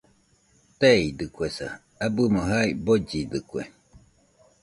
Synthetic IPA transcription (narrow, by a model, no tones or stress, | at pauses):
t̪eid̪ɨkʷesa̰ | abɨmoɦaibod͡ʒid̪ɨkʷḛ